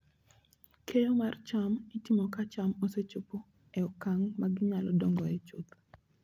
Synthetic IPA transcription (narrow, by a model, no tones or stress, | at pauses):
kʰejomart͡ʃamitimɔkat͡ʃamoset͡ʃopo | ɛokaŋmaɡɪɲalɔdɔŋɡɔɛt͡ʃot̪